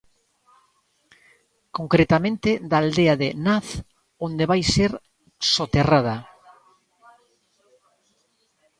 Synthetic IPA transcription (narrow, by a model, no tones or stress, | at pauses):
koŋkɾet̪amẽnt̪ɪðaːld̪eaðɪnaθ | ond̪eβajseɾ | sot̪erað̞ɐ